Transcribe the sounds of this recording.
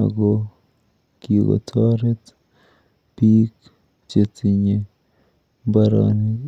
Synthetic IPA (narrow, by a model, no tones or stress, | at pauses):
a̰ɡo | kiwa̰t̪ʰaɾet̪ | pik | t͡ʃetiɲe | baɾa̰ni